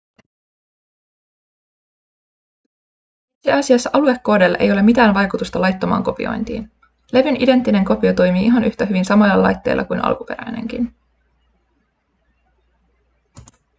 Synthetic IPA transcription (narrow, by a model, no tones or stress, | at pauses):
et̪siɑsiɑsːɑʔɑlue̞kːo̞ːdelːʔe̞̰jo̞le̞mit̪æːnʋɑjkut̪ust̪ɑlɑjt̪ːomɑ̰ːŋko̞pḭo̰jnt̪ḭːn | le̞ʋynide̞nt̪ːine̞ŋko̞piot̪o̞jmiːʔiɦɑnyht̪æɦyʋinsɑmɑjlːɑlɑ̰jt̪ːe̞̰ːlʔɑ̰kujnʔɑ̰lkupe̞ɾæ̰jne̞̰ŋk̟ḭn